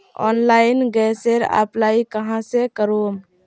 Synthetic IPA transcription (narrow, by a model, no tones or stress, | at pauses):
ɔ̰ːnlaɪnɡɛseɾa̰plaikəɦãsekəɾom